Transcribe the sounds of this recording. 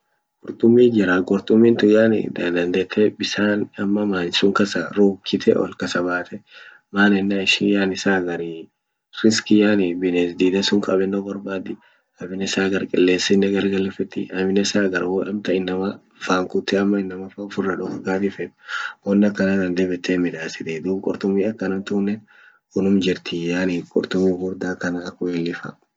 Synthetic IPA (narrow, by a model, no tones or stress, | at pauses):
kʊɾt̪ʼʊmːiːd͡ʒɪɾaɡʼɔɾt̪ʼʊmːɪnt̪ʊjaːnɪ̰d̪ɐnd̪ɐnd̪ɛt̪ʰːɛbɪsaːnɐmːɐmaːnɪsʊŋkɐsɐɾuːkːɪt̪ʰɛʔɔ̰lkɐsɐbaːt̪ɛ | maːnɛnːaɪʃijaːnɪsaːɡɐɾi | ɾɪskɪjaːnibɪnesd̪iːd̪ɐsʊŋkʼɐbɛnːoɡɔɾbaːd̪ɪ | ɐbɪnɛsaːɡɐɾkʼɛlːe̞ːsɪnːɛɡɐɾɡɐlɛfɛt̪ːɪ̰ʔɐbɪnɛsaːɡɐɾwɔʔɛmt̪ɐɪnːɐmɐ | faːŋkʊt̪ːɛɐmːɐɪnːɐmɐfɐfʊrːɐᶑɔfɐɡaːt̪ɪfɛᶑwɔnːɐkːɐnad̪ɐnd̪ɛbɛt̪ːeːmɪᶑaːsɪd̪eːd̪uːbkʼɔɾt̪ʊmːiːɐkːɐnɐnt̪ʊːnːɛn | ʊnʊmd͡ʒɪɾt̪ɪjaːnikʼɔ̰ɾt̪ʊmːiːɡʊɾd̪aːkɐnɐːkːʊelːɪfa̰